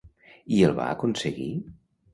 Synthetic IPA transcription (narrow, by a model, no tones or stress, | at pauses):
iəlˠβa̰əkunsəɣi